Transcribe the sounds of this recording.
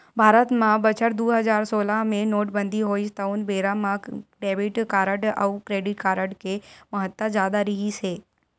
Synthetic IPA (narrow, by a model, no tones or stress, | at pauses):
bʱaːɾət̪mãbət͡ʃəɾd̪uɦəd͡ʒaɾsoːlamẽnoːʈbənd̪ʱiɦoist̪əunbeɾamãɖebiʈkaːɾəʈə̰ukɾeɖɪʈkaɾəɖkeməɦət̪ːəd͡ʒjad̪aɾiɦise